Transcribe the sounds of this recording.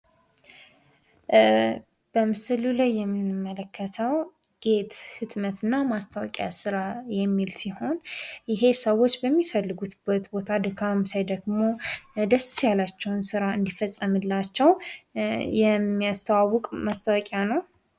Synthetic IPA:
b̥əmɨsɨlulajːɛmːɨnmːələkʰːət̪ʰəw | ɡ̥e̞t̪hɨt̪mət̪ɨnːamast̪ʰəwɔ̰kʼja̰sɨɾajɛmːilsiho̞njɪɦe̞səwo̞t͡ʃːbəmːifəlːɨɡut̪bət̪bo̞t̪ʰad̪ɨkʰamsajd̪əɡmo̞d̪əssjalat͡ʃːɛwnsɨɾaɨnd̪ifəsʼːəmɨlːat͡ʃːɛw | jɛmːijast̪ʰəwawːʊkʼmast̪ʰəwɔkʼjanəw

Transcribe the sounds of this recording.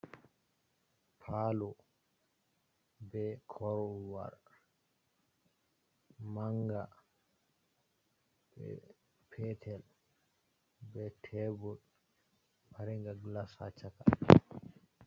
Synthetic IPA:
pʰaːlɔ | bɛkʰɔɾɔlwa̰ɾ | maŋɡa | b̥ɛ̰ | pʰɛtʰɛl | bɛtʰɛbul | baɾɛŋɡaɡlasa̰t͡ʃaka

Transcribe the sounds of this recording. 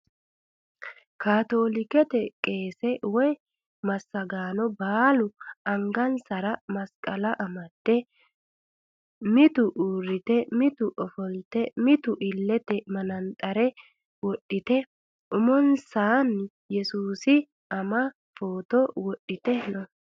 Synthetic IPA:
kaːt̪o̞ːlɪkɛt̪ɛkʼe̞ːsɛwɔj | mɐsːɐɡaːnɔbaːlʊɐŋɡɐnsɐɾɐmɐskʼɐlɐʔɐmɐt̪ːɛ | mɪt̪ʊʔuːɾːɪt̪ɛmɪt̪ʊʔɔfɔlt̪ɛmɪt̪ʊʔɪlːɛt̪ɛmɐnɐnt̪ʼɐɾɛ | wɔɗːɪt̪ɛ | ʔʊmɔnsaːn | jɛsuːsɪ | ɐmɐ | fo̞ːt̪ɔwɔɗːɪt̪ɛnɔ

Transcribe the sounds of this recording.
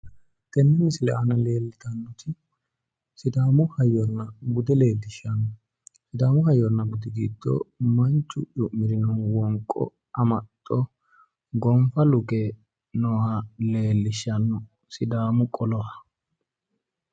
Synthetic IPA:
t̪ɛnːɛmɪsɪlɛ̰ʔɐnɐle̞ːlːɪt̪ɐnːɔt̪ɪ | sɪd̪aːmʊhɐjːɔnːɐbʊd̪ɛle̞ːld̪ɪʃɐnːɔ | sɪd̪aːmʊhɐjɔnːɐbʊd̪ɪɡiːd̪ːo̰ːmɐnt͡ʃʼːʊʔʊmɪɾɪnɔnwɔŋkʼːɔ̰ | ɐmɐt̪ʼːɔ | ɡɔmfɐlʊɡe | nɔːhɐle̞ːlːɪʃːɐnːɔ | sɪd̪aːmʊkʼɔlɔhɐ

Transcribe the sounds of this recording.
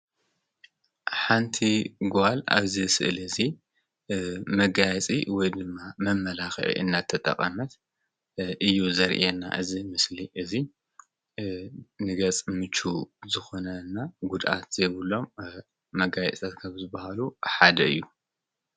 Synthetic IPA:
ħant̪ʰiɡoala̰βzɨsɨ̰ʔlɨzi | mɐɡajɛt͡sʼḭwɔjd̪ɨmːamɐmːɐlaxʕḭʔɨ̰nːat̪ʰːɐt̪ʼɐ̰kʼːɐmɐt̪ | ʔɨjːuzɐɾʔenːa̰ʔɨzimɨsliʔɨzi | nɨɡɐt͡sʼmɨt͡ʃːuzɨxo̞nɐnːaɡud̪ʔa̰t̪z̥ɐjβɨlːo̞mː | ɐɡajɛt͡sʼt̪ʰat̪kʰɐβzɨbɐhaluħad̪ɐɨ̰jːu

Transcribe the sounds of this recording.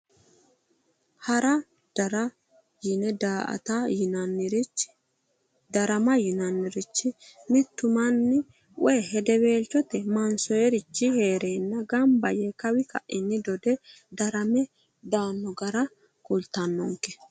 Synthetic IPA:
hɐɾɐ | d̪̥ɐɾɐ | jɪnɛd̪aːʔɐ̰t̪ajɪnɐnːɪɾt͡ʃː | d̪ɐɾɐmɐjɪnɐnːɪɾɪt͡ʃːɪmɪt̪ːʊmɐnːɪ | wʔɔjɦɛd̪ɛbe̞ːlt͡ʃːɔt̪ɛmɐnsɔjɛɾɪt͡ʃːɪheːɾeːnːɐɡɐmbɐjɛkɐwɪkɐ̰ʔɪnːɪd̪ɔd̪ɛ | d̪ɐɾɐmɛ | d̪aːnːɔɡɐɾɐ | kʊlt̪ɐnːɔŋkːɛ

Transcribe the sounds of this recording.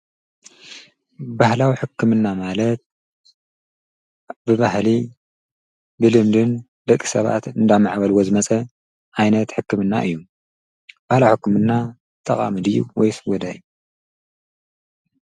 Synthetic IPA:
bahlawiħɨkːɨmɨnːamalɐt̪̚ | bɨβahli | bɨlɨmd̪ɨn | d̪ɐkʼːi̥sɐβa̰t̪ɨnd̪amaʕbɐlwo̞zɨmɐt͡sʼɐ | ʔajnɐt̪ħɨkːɨmɨnːa̰ʔɨ̰jːu | b̥ahlawħɨkːɨmɨnːa | t̪ʼɐqʼa̰mɨd̪ɨjːṵwɔjsɨɡɔd̪aju

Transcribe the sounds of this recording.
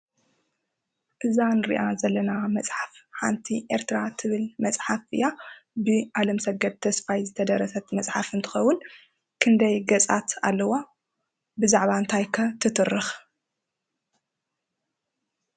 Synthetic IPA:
ʔɨzanɾḭʔazɐlːɐnamɐt͡sʼħafħa̰nt̪ʰiʔeɾt̪ʰɨɾat̪ʰɨβɨlmɐt͡sʼħafɨjabɨʔalɐmsɐɡɐd̪̚t̪ʰːɐsfajzɨt̪ʰɐd̪ɐɾɐsɐt̪mɐt͡sʼħafɨnt̪ʰɨ̥xɐwːʊn | kʰɨnd̪ɐjɡɐt͡sʼat̪a̰lːɐwa | bɨzaʕβaɨnt̪ʰajkʰɐt̪ʰɨt̪ʰɨrːɨx

